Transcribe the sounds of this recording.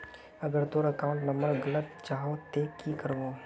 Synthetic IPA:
ɐɡəɾt̪oɾəkaːʊ̃ɳʈnɐ̃mbəɾɡɐlət̪t͡ʃaːɦot̪eːkikəɾɡoː

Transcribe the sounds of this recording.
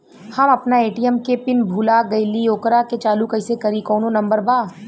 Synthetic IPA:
hɐmɐpnaeːʈijəmkepɪnbʱuːlaɡɐɪlioːkɾaket͡ʃaːlukɐɪsekɐɾikɔːnõnɐ̃mbəɾbaː

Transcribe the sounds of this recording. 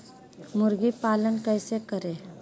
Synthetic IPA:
mʊɾɡipaːlənkəɪsekəɾeː

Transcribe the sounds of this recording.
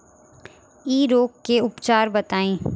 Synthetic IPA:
iːɾoːkkːeʊpt͡ʃaːɾbɐt̪aːẽː

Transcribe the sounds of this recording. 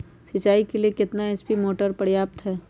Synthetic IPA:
sɐt͡ʃːaːikeliekɪt̪naɛspimoːʈəɾpɐɽjaːp̚t̪ɦɛː

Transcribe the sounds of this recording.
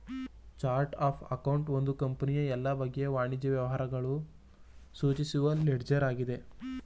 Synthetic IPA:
t͡ʃaːɾʈaːpʰɐkɐwɳʈo̞nd̪ukɐmpɐnijɐɛlːɐbɐɡːeʋaːɳid͡ʒɐʋjɐʋɐɦaːɾɐɡɐɭu | suːt͡ʃisuʋɐleɖd͡ʒɐɾaːɡid̪e̞

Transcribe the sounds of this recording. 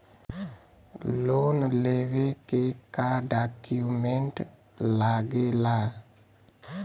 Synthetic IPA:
lonlewekekadakiument | laɡela

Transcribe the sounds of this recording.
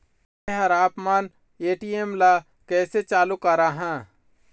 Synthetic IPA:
eɦɐɾaːpmaːn | eːʈiːemla | kɛːset͡ʃaːlukaɾaːɦɛ̃ː

